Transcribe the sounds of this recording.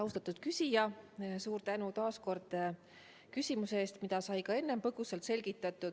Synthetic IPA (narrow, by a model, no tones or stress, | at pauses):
ɑwst̪ɑt̪ːˑud̪̥̚kysʲijɑsuːɾt̪ænut̪ɑːsko̞rd̪̥ | kysʲimuseeːst̪mid̪̥ɑsɑjkɑe̞nːe̞mpɤɡ̥uselt̪se̞lʲɡ̥it̪ːˑɑt̪ːˑud̪̥